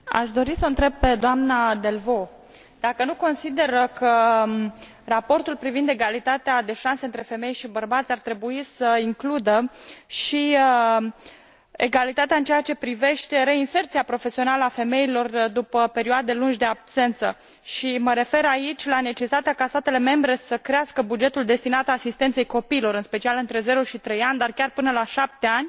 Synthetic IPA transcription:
a̰ʃd̪o̞ɾisəɨnt̪ɾe̞b̚pe̞d̪oamnad̪e̞lvo̞ | d̪̥akənuko̞nsid̪e̞rkə | rapo̞rt̪ulpɾivind̪e̞ɡalit̪at̪ead̪e̞ʃanseɨnt̪ɾe̞fe̞me̞jʃibərbat̪sʲart̪ɾe̞buisəiŋklud̪əʃiə | ḛɡalit̪at̪eaɨnt͡ʃeat͡ʃe̞pɾive̞ʃt̪e̞ɾe̞inse̞rt̪siapɾo̞fe̞sio̞naləafe̞me̞ilo̞rd̪upəpe̞ɾioad̪e̞lund͡ʒʲd̪e̞abse̞nt̪sə | ʃiməɾe̞fe̞ɾait͡ʃʲlane̞t͡ʃesi̥t̪at̪eakast̪at̪e̞le̞me̞mbɾe̞səkɾeaskəbud͡ʒe̞t̪uld̪e̞st̪inat̪aasist̪e̞nt̪se̞jko̞piːlo̞ɾɨnspe̞t͡ʃialɨnt̪ɾe̞ze̞ɾoʃit̪ɾe̞janʲd̪arkʲarpɨnəlaʃap̚t̪eanʲ

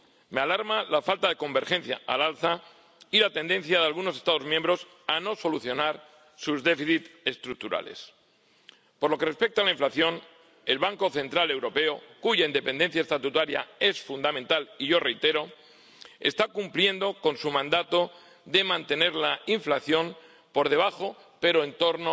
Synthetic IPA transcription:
me̞alaɾmalafalt̪aðe̞ko̞mbe̞ɾxenθja̰alalθa | ilat̪e̞nd̪e̞n̟θjaðealɣunoe̞st̪að̞o̞zmjẽmbɾo̞s | ano̞so̞luθjo̞naɾ | suzðe̞fiθit̪e̞st̪ɾuk̚t̪uɾa̰le̞̰s | po̞ɾlo̞ke̞re̞spe̞k̚t̪alaiɱflaθjo̞n | e̞lβaŋko̞θe̞nt̪ɾale̞wɾo̞pe̞okuʝaine̞pe̞nd̪e̞n̟θjaest̪at̪ut̪aɾja̰e̞sfund̪amẽnt̪aliʝo̞re̞jt̪e̞ɾo̞ | e̞̰st̪akumplje̞nd̪o̞ko̞nsumãnd̪at̪o̞ | ðe̞mãnt̪e̞ne̞ɾlaiɱflaθjo̞m | po̞ɾðe̞β̞axo̞ | pe̞ɾoent̪o̞ɾno

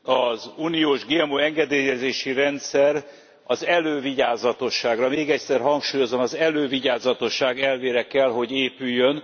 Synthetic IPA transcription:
ɒzuːnioːʒɡeːmoɛŋɡɛd̪eːjɛzeːʃiɾɛnt̪sɛr | ɒzɛløːviɟaːzɒt̪o̞ʃːaːɡrɒmeːɡɛcsɛrɦɒŋkʃuːjo̞zomɒzɛløːviɟaːzɒt̪o̞ʃːaːɡɛlveːɾɛkɛlɦo̞ɟeːpyjːøn

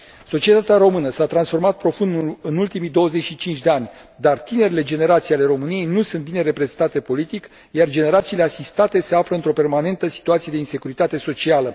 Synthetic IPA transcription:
so̞t͡ʃiet̪at̪eaɾo̞mɨnəsat̪ɾansfo̞rmat̪̚pɾo̞fund̪uɨnult̪imid̪o̞wəze̞t͡ʃʃit͡ʃint͡ʃʲd̪e̞anʲ | d̪art̪ine̞ɾile̞d͡ʒe̞ne̞ɾat̪sijale̞ɾo̞mɨnije̞jnusunt̪̚bine̞ɾe̞pɾe̞zent̪at̪e̞po̞lit̪ik | jard͡ʒe̞ne̞ɾat̪siːle̞asist̪at̪e̞se̞afɾəɨnt̪ɾo̞pe̞rmane̞nt̪əsi̥t̪uat̪sije̞d̪e̞inse̞kuɾit̪at̪e̞so̞t͡ʃialə

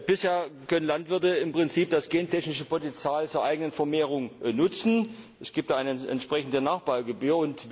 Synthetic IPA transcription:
b̥ɪsheːɐkʰœnənlantv̥ɪɐtəɪmpʁ̥ɪnt͡siːp̚d̥asɡ̥eːntɛçnɪʃəpʰotɛnt͡sjaːlt͡suːɐʔaɪɡənənfɛɐmeːʁ̞ʊŋnʊt͡sn̩ʔɛsɡ̥iːp̚td̥aːʔaɪnəʔɛ̰ntʃpʁ̥ɛçn̩dənaːχb̥aːlɡəbyːɐʊnt

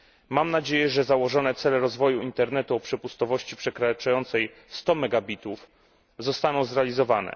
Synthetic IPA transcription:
mamnad͡ʑejɛʐɛzawɔʐɔnɛt̪sɛlɛɾɔzvɔjuint̪ɛɾnɛt̪uɔpʂɛpust̪ɔvɔɕt͡ɕipʂɛkɾat͡ʂajɔnt̪sɛj | st̪ɔmɛɡabʲit̪uf | zɔst̪anɔ̃w̃zɾɛalʲizɔvanɛ̰

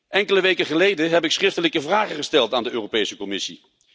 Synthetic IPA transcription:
ʔɛŋkələʋejkəχəlejdəɦɛpɪksχrɪftələkəvraːχəχəstɛlˠtaːndəøːropejsəkɔmɪsḭ

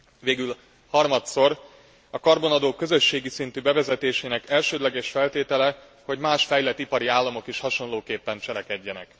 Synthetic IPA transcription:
veːɡyl | hɒrmɒt̪so̞r | ɒkɒrbo̞nɒd̪oːkːø̞zø̞ʃːeːɡisint̪ybɛvɛzɛt̪eːʃeːnɛkɛlʃøːd̪lɛɡɛʃfɛlt̪eːt̪ɛlɛ | ho̞ɟmaːʃfɛjlɛt̪ːipɒɾiaːlːɒmo̞kiʃhɒʃo̞nloːkeːpːɛnt͡ʃɛɾɛkɛɟːɛnɛ̰k

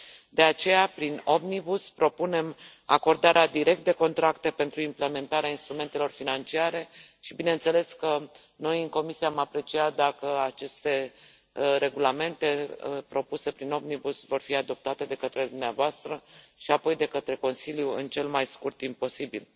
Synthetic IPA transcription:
d̪e̞at͡ʃe̞japɾino̞bnibuspɾo̞pune̞m | a̰ko̞rd̪aɾead̪iɾe̞k̚t̪̚d̪e̞ko̞nt̪ɾakt̪e̞pe̞nt̪ɾuimple̞me̞nt̪aɾeainst̪ɾume̞nt̪e̞lo̞rfinant͡ʃiaɾe̞ʃibine̞nt̪se̞le̞skə | no̞jɨŋko̞misiaːmapɾe̞t͡ʃiat̪̚d̪akəat͡ʃe̞st̪e̞ | ɾe̞ɡulame̞nt̪e̞pɾo̞puse̞pɾino̞bnibusvo̞rfiad̪o̞p̚t̪at̪e̞d̪e̞kət̪ɾe̞d̪umneavoast̪ɾəʃiapo̞jd̪e̞kət̪ɾe̞ko̞nsiljuɨnt͡ʃe̞lmajskurt̪impo̞sibil

